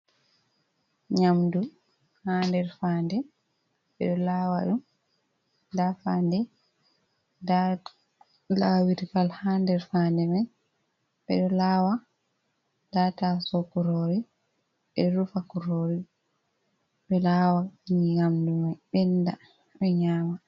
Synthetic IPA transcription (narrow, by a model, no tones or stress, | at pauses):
ɲamdu | handɛɾfaːndɛ | ɓɛɗɔlawaɗum | dafaːndɛ | da | lawiɾfalhandɛɾfandɛmaj | ɓɛ̰ɗɔlaːwa | datasɔkuɾoɾi | ɓɛɾufakuɾoɾi | ɓɛlaːwaiɲiɲamdumajɓɛnːda | ɓɛɲaːma